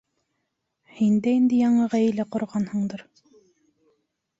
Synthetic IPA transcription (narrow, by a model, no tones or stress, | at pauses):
hind̪æind̪ɘjɑɴɤʁæjɘ̆læqŏɾʁɑnhɤ̆ɴd̪ɤɾ